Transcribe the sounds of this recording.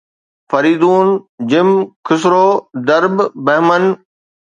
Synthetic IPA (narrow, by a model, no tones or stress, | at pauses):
fɐɾiːd̪uːnd͡ʑɪmkʰɪs̬ɾoːd̪ɐɾbbɐɦmən